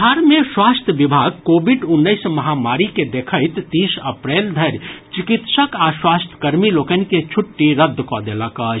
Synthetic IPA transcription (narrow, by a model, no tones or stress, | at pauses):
aɾmeswast̪ʰjəbibʱaɡ̚kobʱiɖunːəɪsməɦamaɾiked̪ekʰəɪt̪ːisəpɾeld̪ʱəɾt͡ʃikit̪səkaswast̪ʰə̥kəɾmilokənĭket͡ʃʰuʈːiɾəd̪ʱːkɔd̪eləkət͡ʃ